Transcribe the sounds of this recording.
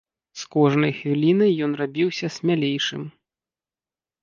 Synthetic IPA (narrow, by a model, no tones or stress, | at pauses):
skɔʐnɐjxvʲilʲinɐjːɔn̪rabʲiwsʲɐsʲmʲalʲejʂɨ̰m